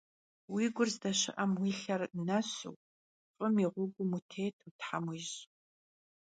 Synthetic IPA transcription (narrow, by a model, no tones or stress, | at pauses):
wiːɡʷʊrzdɐɕɪ̰ʔɐmwiːɬɐrnɐɕṵw | fʼəmiʁʷʊɡʷʊmutʰeːtʰutħamwiːʒ